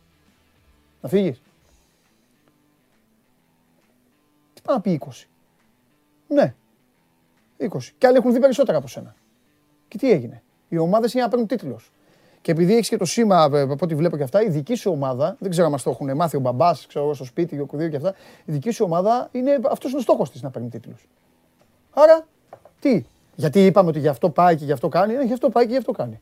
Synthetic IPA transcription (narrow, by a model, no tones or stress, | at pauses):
nɐfiʝis | t̪i̥pɐnɐpiiko̞si̥ | ne̞ | iko̞si̥ceɐliexunðipeɾiso̞t̪eɾɐːpo̞se̞nɐ | ce̞t̪ie̞ʝine̞ | io̞mɐðesinenɐpeɾnunt̪it̪lo̞s | ce̞ːpiðieçi̥scet̪o̞simɐɐpo̞t̪̬ivle̞po̞ceɐft̪ɐiðicisuo̞mɐðɐðeɡze̞ɾoɐmɐst̪o̞xunemɐθio̞bɐbɐskse̞ɾoɣost̪o̞spit̪iokuðioceɐft̪ɐ | iðicisuo̞mɐðɐine̞ɐft̪o̞sinost̪oxo̞st̪isnɐpeɾnunt̪it̪los | ɐɾɐ | t̪i | ʝɐt̪iipɐmeot̪iʝɐft̪o̞pɐice̞ʝɐft̪o̞kɐnieneʝɐft̪o̞pɐice̞ʝɐft̪o̞kɐni